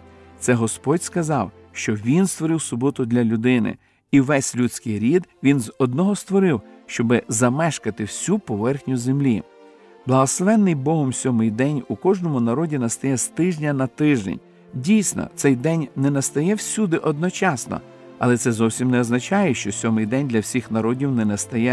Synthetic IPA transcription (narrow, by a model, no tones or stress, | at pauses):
t̪sɛɦɔspɔdʲskɐzɑw | ʃt͡ʃɔʋʲinst̪ʋɔɾɪwsʊbɔt̪ʊd̪lʲɐlʲʊd̪ɪnɪ̰ | iʋɛsʲlʲut͡sʲkɪjɾʲid̪ʋʲinzɔd̪nɔɦɔst̪ʋɔɾɪwʃt͡ʃɔbɪzɐmɛʃkɐt̪ɪwsʲupɔʋɛrxnʲʊzemlʲi | b̥lˠɐɦɔslˠɔʋɛnːɪjbɔɦɔmsʲɔmɪjd̪ɛnʲukɔʒnɔmʊnɐɾɔdʲinɐst̪ɐjɛst̪ɪʒnʲɐnɐt̪ɪʒd̪ḛnʲ | dʲijsʲnɔ̰t̪sɛjd̪ɛnʲnɛnɐst̪ɐjɛwsʲud̪ɪʔɔd̪nɔt͡ʃɑsnɔ̰ | ɐ̰lˠɛt̪sɛzɔwsʲimnɛɔznɐt͡ʃɑjɛʃt͡ʃɔsʲɔmɪjd̪ɛnʲd̪lʲɐwsʲixnɐɾɔdʲiwnɛnɛst̪ɐjɛ